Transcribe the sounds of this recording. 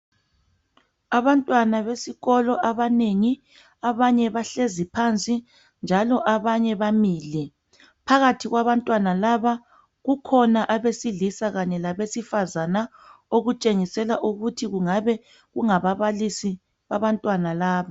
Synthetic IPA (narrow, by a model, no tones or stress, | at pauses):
aβantʼwanaβesiɣɔlɔʔaβaneŋi | aβaɲɛβaɬezipʰant͡sʼi | nd͡ʒʱalɔʔaβaɲɛβamiːlɛ | pʰaɣatʰiɣwaβantʼwanalaβa | ɣukʰɔnaʔaβesiɮisaɣaɲɛlaβesifazana | oɣut͡ʃʼeŋisɛlaʔuɣutʰiɣuŋaβɛ | ɣuŋaβaβalisi | βaβantʼwanalaːβa